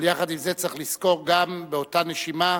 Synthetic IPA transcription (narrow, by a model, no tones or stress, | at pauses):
ljaχad̪imzet͡sʁiχlisko̞ʁɡambeo̞taneʃima